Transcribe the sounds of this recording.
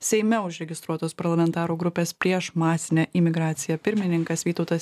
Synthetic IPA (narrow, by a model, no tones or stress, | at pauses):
sʲɛɪmʲɛʊʒʲɾʲɛɡʲɪst̪ɾuɔt̪oːspɐɾlˠɐmʲɛnt̪ɑːɾuːɡɾʊpʲeːspʲɾʲiɛʃmɑːsʲɪnʲɛʔɪmʲɪɡɾɑːt̪sʲɪjɛpʲɪɾʲmʲɪnʲɪŋkɐsʋʲiːt̪ɒʊt̪ɐs